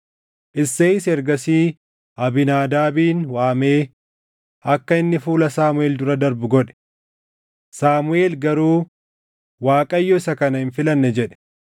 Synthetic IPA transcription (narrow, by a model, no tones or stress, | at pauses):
ʔɪsːeːɪsɛɾɡɐsiː | ʔɐbɪnaːd̪aːbiːnwaːme̞ː | ʔɐkːɐɪnːɪfuːlɐsaːmʊeːld̪ʊɾɐd̪ɐɾbʊɡɔᶑɛ̥ | saːmʊeːlɡɐɾuː | waːkʼɐjːɔɪsɐkɐnɐhɪnfɪlɐnːɛd͡ʒɛᶑɛ̥